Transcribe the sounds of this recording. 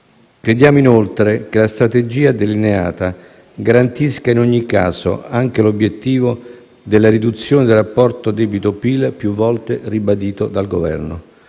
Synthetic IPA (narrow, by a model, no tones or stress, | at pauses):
kɾed̪jaːmoinolt̪ɾekelast̪ɾat̪ed͡ʒiːad̪elinea̰ːt̪a | ɡaɾant̪iskainoɲːika̰ːso̰aŋk̟elobjet̪ːiːvo | d̪elːaɾid̪ut̪sːjoːned̪elapːɔrt̪od̪ɛːbit̪opilpjuvːɔlt̪eribad̪iːt̪od̪alɡovɛ̰rno̰